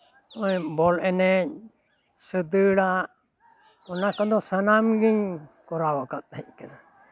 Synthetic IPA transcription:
ɔjbɔlɛnɛɲ | səd̪əɽaʔ | ɔnakɔd̪ɔsənamɡiɲkɔɾawakat̪̚ːac̚ˀkana

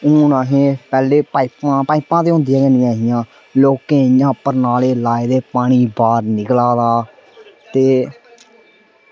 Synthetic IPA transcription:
ʊːnaːɦẽːpɛːleːpaːɪpãːpaːipãːt̪eːɦʊ̃nd̪ijãːɡənɪjãːɦɪjãː | loːkẽːjãːpəɾnaːleːlaːeːd̪eːpaːɽ̃iːbaːɾnɪklaːd̪aː | t̪eː

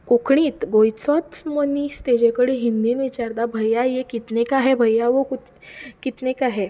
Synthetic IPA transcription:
kokʰɳiːt̪ɡojt͡sɔt̪məniːst̪ed͡ʑekəɽiɦind̪iːnʋit͡ɕaɾd̪abʱəjːajekit̪nekaɦebʱəjːaʋoku | kit̪nekaɦe

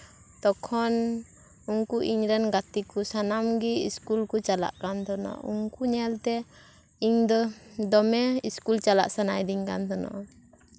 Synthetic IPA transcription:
t̪ɔkʰɔn | uŋkuʔiɲɾɛnɡat̪ikusanamɡiiskulkut͡ʃala̰ʔkant̪ɔnɔ̰ʔṵŋkuɲɛlt̪ɛ | iɲd̪ɔd̪ɔmɛiskult͡ʃala̰ʔsana̰jd̪iɲka̰nt̪ɔnɔ̰ʔ

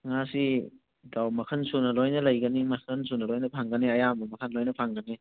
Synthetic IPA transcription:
ŋasi | dawmɐkʰɐnsunɐlojnɐlɐjɡɐnimɐkʰɐnsunɐlojnɐpʰaŋɡɐniɐjamɐmɐkʰɐnlojnɐpʰaŋɡɐni

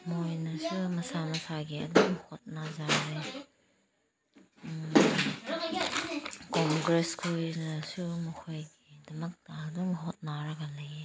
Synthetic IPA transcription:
mojnɐsumɐsanɐsʰaɡiɐ̰duŋhot̚nazaɾe | koŋɡɾeskʰojnɐsumɐkʰojɡidɐmɐk̚tɐɐduŋɦot̚naɾɐɡɐlɐje

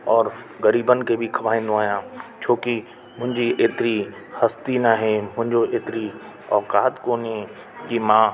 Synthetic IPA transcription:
ɔːɾ | ɣɐɾiːbənɪ̆kebʱikʰɐʋaːĩnd̪õaːɦijãːt͡ʃʰoːki | mʊ̃ɦɪ̃ɲd͡ʑiʔeːt̪ɪɾi | hɐst̪inaɦemʊ̃ɦɪ̃ɲd͡ʒoʔeːt̪ɪɾi | ɔːkaːt̪koːnɦe | kimãː

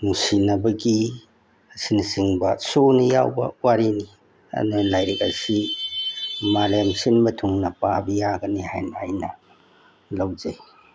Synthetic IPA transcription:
musinɐbɐɡi | ɐsinsiŋbɐsunɐja̰wbɐ̰waɾini | ɐ̰nolajɾik̚asi | malemsinmɐtʰuŋnɐpabɐjaɡɐnihajnaːjnɐ | lɐwzej

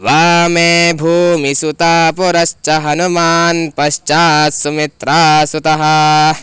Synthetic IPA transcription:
ʋaːmeːbʱuːmisut̪aːpuɾɐʃt͡ʃɐɦɐnumaːnpɐʃt͡ʃaːsumit̪ɾaːsut̪ɐɦɐ

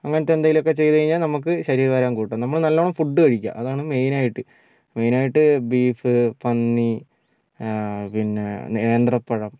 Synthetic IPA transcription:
ɐŋːɐnɐt̪ːend̪ajilo̞kːe̞t͡ɕe̞jðɐkɐɻiɲːaːlnɐmuk̬ːɨɕɐɾiːɾɐʋaːɾaːmkuːʈːɐmnɐmːɐɭnɐlːoːɳɐmfuɖːɨkɐɻikʲːa̰ʔɐðaːɳɨme̞jnaːjiʈːɨ | me̞jnaːjiʈːɨbiːfɨpɐnːi | pinːḛneeːnd̪rɐpːeɻɐm

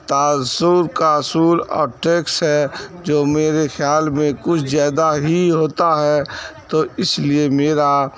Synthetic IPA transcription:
t̪aːsuɾkaːsuːɾɔ̰ːɾʈeːksɦɛd͡ʒoːmeːɾexʰjaːlmẽkʊt͡ʃʰzjaːd̪aɦiɦoːt̪aɦɛt̪oːɪsliemeːɾa

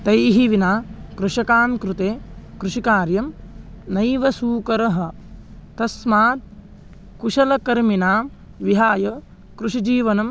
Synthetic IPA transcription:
t̪ɐjɦiʋinaːkɾuʂɐkaːmkɾut̪eːkɾuʃikaːɾjɐm | nɐjʋɐsuːkɐɾɐɦɐ̆ | t̪ɐsmaːt̪̚ | kuʃɐlɐkɐɾminaːm | ʋiɦaːjɐ | kɾuʃid͡ʒiːʋɐnɐm

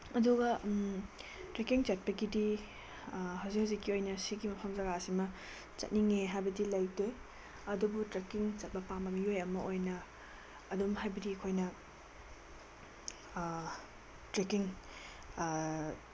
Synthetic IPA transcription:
ɐduɡɐ | tɾekiŋt͡ʃɐt̚pɐɡidi | hɐwzikhɐwzikːiojnɐsiɡimɐpʰɐmzɐɡasimɐ | t͡ʃɐ̰t̚niŋeɦajbɐdilajtoj | ɐdubutɾekiŋt͡ʃɐt̚pɐpambɐmiojɐmɐojnɐː | dumɦajbɐdikʰojnɐ | tɾekiŋ

